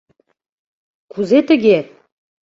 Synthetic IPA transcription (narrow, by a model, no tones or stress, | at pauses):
kʰuzet̪ə̆ɡʲe